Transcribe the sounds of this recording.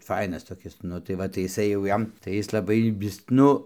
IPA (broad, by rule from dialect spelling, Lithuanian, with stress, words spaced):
ˈfɐɪnɐs toːˈkʲɪs ˈnʊ tɐɪ ˈʋɐ tɐɪ ɪˈsɐɪ jɛʊ ˈjɛm tɐɪ ˈjɪs lˠɐˈbɐɪ ˈʋʲɪs ˈnʊ